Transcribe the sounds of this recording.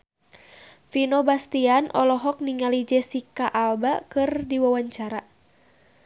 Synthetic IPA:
finɔbast̪ianʔɔlɔɦɔk̚niŋalid͡ʒɛsikaʔalbakɨrdiwawaɲt͡ʃaɾa

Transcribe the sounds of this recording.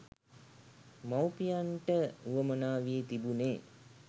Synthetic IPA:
mawpijaɳʈəuʋəmənaːʋiːt̪ibuneː

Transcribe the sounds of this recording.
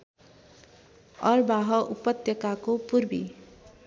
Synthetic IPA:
ʌrbaɦʌʔupʌt̪jʌkakopurbḭ

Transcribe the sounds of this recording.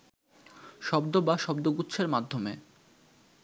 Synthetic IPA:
ʃɔbd̪obaʃɔbd̪oɡut̪ːɕʰeɾmad̪ʱːome

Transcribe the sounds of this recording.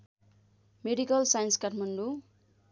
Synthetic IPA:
meɖikʌlsajʌnskaʈʰmʌɳɖu

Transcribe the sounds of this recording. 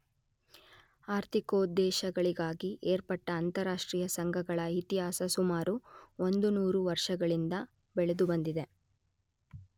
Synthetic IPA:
aːɾt̪ikoːd̪ɛːʃɐɡɐɭiɡaːɡiʔeːɾpɐʈːɐːnt̪ɐɾaːʂʈɾiːjɐsɐŋɡʱɐɡɐɭɐit̪iɦaːsɐsumaːɾuo̞nd̪unuːɾuʋɐɾʂɐɡɐɭind̪ɐ | bɛɭed̪ubɐnd̪id̪e̞

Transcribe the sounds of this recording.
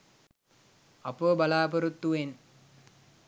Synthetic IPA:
apəbalaːpəɾut̪ːuʋen

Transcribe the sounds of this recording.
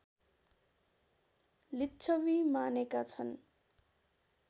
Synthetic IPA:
litːt͡sʰʌwimanekat͡sʰʌn

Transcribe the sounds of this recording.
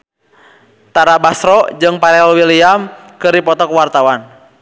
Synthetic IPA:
t̪aɾabasɾɔd͡ʒɨŋpaɾɛlwiliamkɨrdipɔt̪ɔkwart̪awan

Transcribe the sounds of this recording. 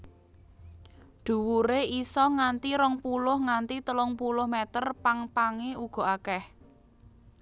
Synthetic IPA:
ɖ̪̥ṳwuɾeisɔŋant̪iɾɔŋpulʊhŋant̪it̪əlʊŋpulʊhmɛt̪ərpaŋpaŋeuɡ̥ɔ̤akɛh

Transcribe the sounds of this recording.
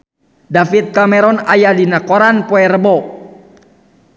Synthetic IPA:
dafit̪̚kamɛɾɔnajadinakɔɾanpɔɛrəbɔ

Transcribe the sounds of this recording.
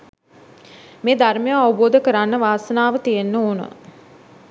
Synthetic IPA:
meːd̪armejaaʋuboːd̪əkəɾanːəʋaːsənaːʋət̪ijenːəoːnə̰

